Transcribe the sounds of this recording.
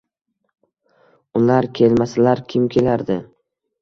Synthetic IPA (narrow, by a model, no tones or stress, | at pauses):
ʊlaɾkʲʰe̞lmasalaɾkʲʰɪmkʲʰelaɾd̪ɪ